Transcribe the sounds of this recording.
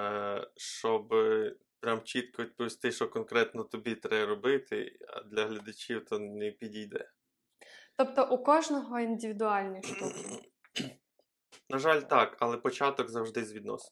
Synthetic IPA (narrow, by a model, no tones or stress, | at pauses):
ʃt͡ʃɔb | pɾʲamt͡ʃit̪kɔʋʲid̪̚pɔʋʲist̪ɪʃɔkɔnkɾɛt̪nɔt̪ɔbʲit̪ɾɛɾɔbɪt̪ɪ̰ɐ̰d̪lʲɐɦlʲɐd̪ɐt͡ʃʲiwt̪ɔnɛpʲidʲijd̪ɛ̰ | t̪ɔp̚t̪ɔʔukɔʒnɔɦɔind̪ʲɪʋʲid̪ʊɑlʲnɔjʃt̪ukʲ | nɐʒɑlʲt̪ɑkɐlˠɛpɔt͡ʃɑt̪ɔɡzɐwʒd̪ɪzʋʲid̪nɔ̰sɔ̥n